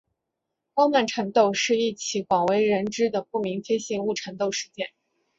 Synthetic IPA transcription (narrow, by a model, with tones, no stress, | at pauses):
fɑ˥ʊma˥˩nʈ͡ʂʰɤ˧˥ŋt̪o˥˧ʊʂɻ̩˥˧i˥˩t͡ɕʰi˧˥kwɑ˨˩ŋwe˧˥ɪɻə˧˥nʈ͡ʂɻ̩˥d̪ə˨pu˥˩mi˧˥ŋfe˥ɪɕi˥˧ŋu˥˩ʈ͡ʂʰə˧˥nt̪o˥˩ʊʂɻ̩˧˥t͡ɕjɛ˥˩n